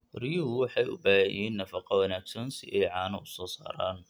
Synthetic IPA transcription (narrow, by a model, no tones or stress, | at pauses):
rijʊɦʊwɑħɑjʊ̰baːhɛjɛːnːɐfɑqɐwɑnaːɡsɐnsḭʔɛjʕɑːnɐʊsɔːsaːɾa̰ːn